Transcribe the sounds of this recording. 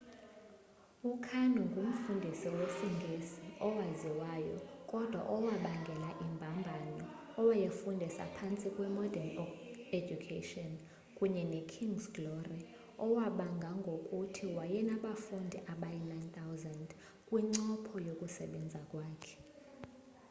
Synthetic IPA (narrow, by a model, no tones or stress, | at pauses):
ukʰanuŋɡʱum̩fundʱisiwesiŋɡʱesiʔɔwaziwaːjɔ̰kʼɔd̥ʱwa̰ʔɔwaɓaŋɡʱɛlaʔimbʱambʱanɔː | wajefundʱisa̰pʰant͡sʼikʼwɛmɔdʱaned͡ʒukʰeʃiɔn | kʼuɲɛnekʰiŋɡsɡlɔri | ɔwaɓaŋɡʱaŋɡʱokʼutʰiwajɛnaɓafundʱiʔaɓajinant̪ʰawzand | kʼwiŋ͡ǀɔpʰɔjokʼusɛɓɛnd͡zʱakʼwaːkʰɛ̥